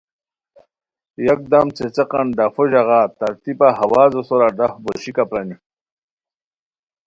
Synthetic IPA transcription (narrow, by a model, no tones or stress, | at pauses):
jɐk̚d̪ɐmt͡set͡seqɐnɖafoʑaɣaːt̪ɐɾt̪ipaɦɐwaːzosoɾaɖafboɕikapɾɐni